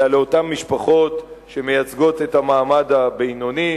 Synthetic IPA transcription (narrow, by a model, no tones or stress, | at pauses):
aleotamːiʃpaχo̞tʃe̞me̞jat͡sɡo̞te̞tamaːmadabejnoni